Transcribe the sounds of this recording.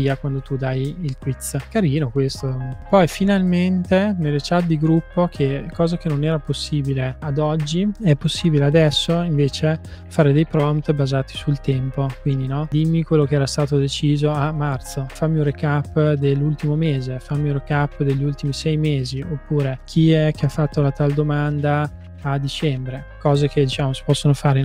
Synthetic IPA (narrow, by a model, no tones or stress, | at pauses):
iːakwand̪ot̪ud̪ajilk̪wit̪skaɾiːnokwest̪opɔjfinalment̪enelːet͡ʃat̪̚d̪iɡɾupːok̟ʰekʰːɔːzakenonɛːɾaposːiːbilead̪ɔd͡ʒːiɛpːosːiːbilead̪ɛsːoiɱveːt͡ʃe | faːɾed̪ejpɾɔnt̪bazaːt̪i̥sult̪ɛmpokwind̪inɔd̪imːikwelːokeɛːɾast̪aːt̪od̪et͡ʃiːzoamːart̪sofamiũrekapːd̪elːult̪imomeːzefamːiũɾrekapːd̪eʎːult̪imisɛjmeːziopːuːɾek̟ʰiɛk̟eafːat̪ːolat̪aːld̪omand̪a | ad̪it͡ʃɛmbɾekɔːzek̟ed̪it͡ʃaːmosi̥pɔsːonofaːɾe